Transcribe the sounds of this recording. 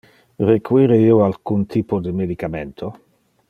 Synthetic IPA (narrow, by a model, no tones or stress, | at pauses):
rekuiːɾeiːoalkunt̪ʰiːpod̪emed̪ikament̪ʰo